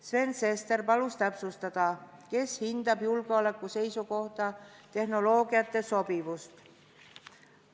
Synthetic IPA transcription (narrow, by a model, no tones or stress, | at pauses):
sve̞nsest̪e̞rpɑlust̪æpsust̪ɑd̪̥ɑ | ke̞shind̪̥ɑbjulɡ̥eole̞kːˑuse̞jsuko̞ht̪ɑt̪e̞hno̞lo̞ːɡiɑt̪ːˑeso̞pivust̪